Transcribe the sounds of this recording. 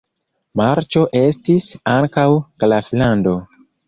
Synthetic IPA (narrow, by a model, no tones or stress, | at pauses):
maɾt͡ʃo̞ʔe̞stisaŋkawklaflando̞